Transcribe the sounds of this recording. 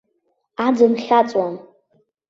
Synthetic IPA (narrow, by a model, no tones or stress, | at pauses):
ad͡zɨnχʲat͡sʼwam